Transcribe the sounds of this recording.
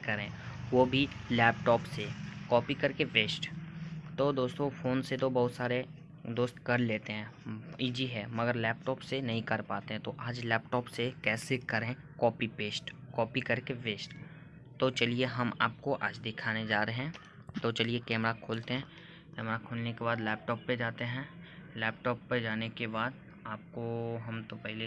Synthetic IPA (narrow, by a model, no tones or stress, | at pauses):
kɐɾẽːʋobʱilɛːp̚ʈɔːpsekɔːpikɐɾkeʋeːsʈt̪od̪oːst̪õfoːnset̪obɐɦʊt̪saːɾe | d̪oːst̪kɐɾleːt̪eɦɛ̃ːiːd͡ʒiɦɛːmɐɡəɾlɛːp̚ʈɔːpsenɐɦĩkɐɾpaːt̪eɦɛ̃t̪oʔaːd͡ʒlɛːp̚ʈɔːpsekɛːsekɐɾẽ | kɔːpipeːsʈkɔːpikɐɾkeʋeːsʈ | t̪ot͡ʃɐlieɦɐma̰ːp̚koʔa̰ːd͡ʒd̪ɪkʰaːned͡ʒaːɾeɦɛ̃ | t̪ot͡ʃɐliekɛːmɾakʰoːlt̪eɦɛ̃ | kɛːmɾakʰoːlnekebaːd̪lɛːp̚ʈɔːpːed͡ʒaːt̪eɦɛ̃lɛːpʈɔːpːed͡ʒaːnekebaːd̪ | aːp̚koɦɐmt̪opɛɦle